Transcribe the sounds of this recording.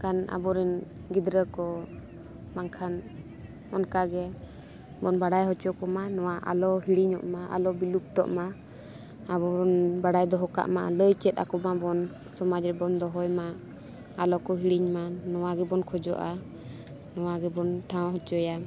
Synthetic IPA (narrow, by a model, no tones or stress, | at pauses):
kana̰bɔɾɛn | ɡid̪ɾəkɔ | maŋkʰan | ɔnkaɡɛ | bɔnbaɽajɦɔt͡ʃɔkɔmanɔwaʔa̰lɔɦiɽiɲɔ̰ʔmaʔa̰lɔbilup̚t̪ɔ̰ʔma | abɔɔnbaɽajd̪ɔɦɔka̰ʔmaʔa̰ləjt͡ʃɛt̪̚a̰kɔmabɔn | sɔmad͡ʒɾɛbɔnd̪ɔɦɔjma | alɔkɔɦiɽiɲmanɔwaɡɛbɔnkʰɔd͡ʒɔ̰ʔa | nɔwaɡɛbɔnʈʰãw̃ɦɔt͡ʃɔja